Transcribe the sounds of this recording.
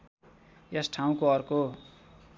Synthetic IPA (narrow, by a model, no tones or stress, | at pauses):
jesʈʰaũkoʌrko